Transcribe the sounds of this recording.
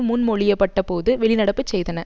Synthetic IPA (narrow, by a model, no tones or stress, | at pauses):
mʊnmɔɭɪjɐpːɐʈːɐpoːðɯʋɛɭɪnɐɽɐpːɯt͡ʃːsɛjðɐnɐ